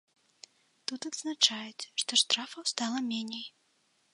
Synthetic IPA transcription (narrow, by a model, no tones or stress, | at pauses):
t̪ut̪ɐd̪znat͡ʂajɛt͡sʲʂt̪ɔʂt̪ɾafɐwst̪alˠɐmʲenʲej